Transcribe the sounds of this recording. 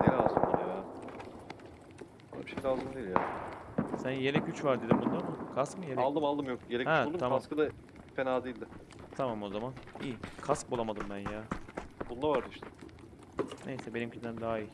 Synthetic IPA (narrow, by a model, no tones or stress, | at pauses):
neɾaasɯnaja | bnˠa̰biʃecjlʲazɯnd̪eilʲjaː | sænjelɛcyt͡ʃvaɾd̪ed̪imbund̪amɯkʰaskmɯjeɾalˠd̪ɯmalˠd̪ɯmjok̚ɟeɾɛhɛd̪uamamskɯd̪a | fenaːd̪eilʲd̪ɪ | t̪ʰamamo̞zamanḭːkʰask̚bolˠamad̪ɯmbænjaːbund̪avaɾd̪ɯiʃt̪ɛ | nʔe̞jsɛbe̞nimcʰind̪ænd̪aɦaiː